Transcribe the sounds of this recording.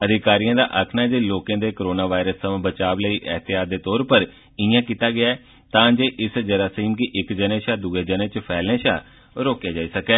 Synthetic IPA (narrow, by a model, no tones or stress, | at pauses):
əd̪ʱɪkaːɾijãːd̪a̰ːʔəkʰnaːd͡ʒeːloːkãːd̪eːkəɾoːnaːʋaːɪɾəsːəmãːbət͡ʃaːbləiːʔəɦt̪ɪjaːt̪̚d̪eːt̪ɔːɾpəɾ | ɪãːkiːt̪aːɡɪaːɛː | t̪ãːd͡ʒeːʔɪsd͡ʒəɾaːsiːmkɪʔɪkd͡ʒənẽːʃaːd̪uːeːd͡ʒənẽːt͡ʃəpʰɛːlnẽːʃa̰ː | ɾoːkjeːd͡ʒaːiːsəkɛː